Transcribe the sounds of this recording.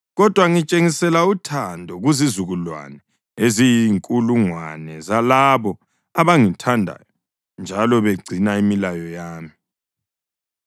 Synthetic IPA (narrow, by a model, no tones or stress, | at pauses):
ɣɔd̥ʱwaŋit͡ʃʼeŋisɛlautʰandʱɔɣuzizuɣulwa̰nɛ | ezijiŋkʼuluŋwa̰nɛzalaβɔ | aβaŋitʰandʱa̰jɔ | nd͡ʒʱalɔβeɡ͡ǀʱinaimilajɔjaːmi